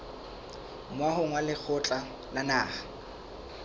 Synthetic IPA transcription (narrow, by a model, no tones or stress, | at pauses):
mwaɦʊŋwalɪk͡xʰʊt͡ɬʼa | lanaːχḁ